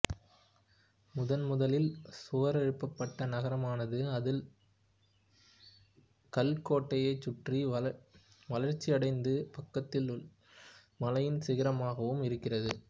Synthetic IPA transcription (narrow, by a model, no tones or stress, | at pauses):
mʊðɐnmʊðɐlɪlsʊʋɐɾɛɻɯpːɐpːɐʈːɐnɐɣɐɾɐmaːnɐðɯɐðɪl | kɐlkoːʈːɐjɐɪt͡ʃːʊʈri | ʋɐlɐɾt͡ʃːiɐɽɐɪnd̪ɯpɐkːɐt̪ːɪl | mɐlɐjɪnsɪɣɪɾɐmaːɣɐʋɯmɪɾɯkːɪrɐðɯ